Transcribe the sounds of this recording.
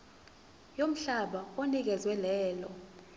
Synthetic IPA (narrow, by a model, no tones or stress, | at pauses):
jom̩ɬaɓaonik̬ɛzwɛlɛːlɔ